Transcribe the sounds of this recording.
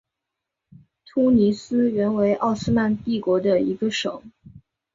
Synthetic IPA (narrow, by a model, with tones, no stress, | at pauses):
t̪ʰu˥ni˧˥sɹ̩˥ɥɛ˧˥nwe˧˥ɪʔɑ˥˩ʊsɹ̩˥ma˥˧nt̪i˥˩kwɔ˧˥d̪ə˧i˧˥ɡə˧ʂɤ̰˨˩˦ŋ